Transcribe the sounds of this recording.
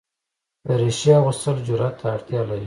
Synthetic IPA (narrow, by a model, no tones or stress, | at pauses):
d̪əɾeʃiɣʊst̪əld͡ʒʊɾat̪ʰːaːɽt̪jɑlaɾi